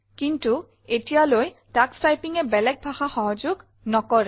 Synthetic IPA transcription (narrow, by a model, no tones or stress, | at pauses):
kintu | etijaloj | takstajpiŋɛbɛlɛk̚bʱaxaxɔɦɔzʊɡ | nɔkɔɹɛ